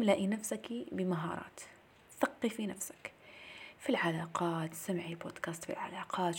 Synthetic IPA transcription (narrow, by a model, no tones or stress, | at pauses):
laʔinafsakibɪmaɦɑ̰ːɾˤɑ̰ːt̪ | θɑqːifinafsḁk | filʕalaːqɑːt̪samʕibo̰ːd̪kaːst̪fḭlʕa̰laːqɑːt̪